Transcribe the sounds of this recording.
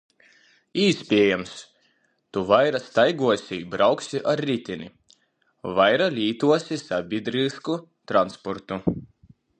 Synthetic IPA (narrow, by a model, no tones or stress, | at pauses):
iːsʲpʲiɛjams | t̪uvajɾast̪ajɡuɔsʲibɾawksʲiʔaɾːit̪ʲinʲḭ | vajɾalʲiːt̪uɔsʲisabʲid̪ɾisku | t̪ɾanspɔɾt̪u